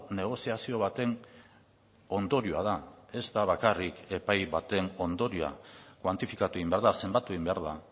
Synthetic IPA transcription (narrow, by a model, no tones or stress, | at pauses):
ne̞ɣ̞o̞siasio̞β̞at̪e̞n | o̞nd̪o̞ɾioað̞ae̞zt̪aβakarike̞pajβat̪e̞no̞nd̪o̞ɾioa̰kwant̪ifikat̪ue̞imbeaɾðase̞mbat̪ue̞ɣimbeaɾða